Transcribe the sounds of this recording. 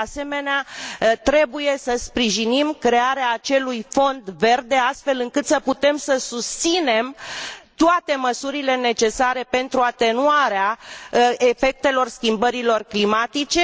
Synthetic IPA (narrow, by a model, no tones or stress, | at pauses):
ase̞me̞neat̪ɾe̞buje̞səspɾiʒinimkɾe̞aɾeaːt͡ʃe̞lujfo̞nd̪ve̞rd̪e̞ast̪fe̞lɨŋkɨt̪səput̪e̞msəsust̪sine̞mt̪oat̪e̞məsuɾile̞ne̞t͡ʃe̞saɾe̞pe̞nt̪ɾuat̪e̞nuaɾea | e̞fe̞k̚t̪e̞lo̞rskʲimbəɾilo̞rklimat̪it͡ʃe